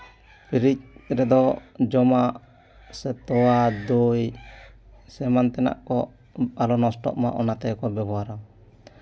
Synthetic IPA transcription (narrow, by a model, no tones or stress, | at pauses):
piɾic̚ɾɛd̪ɔd͡ʒɔmaʔ | sɛt̪ɔwad̪oj | sɛmant̪ɛna̰ʔkɔ | alɔnɔsʈɔ̰ʔma̰ʔɔnat̪ɛkɔbɛɡwaɾaw